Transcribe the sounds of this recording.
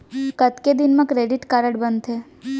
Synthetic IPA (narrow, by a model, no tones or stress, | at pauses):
kət̪ked̪ɪnmãkɾeɖɪʈkaɾəɽbənd̪ʰeː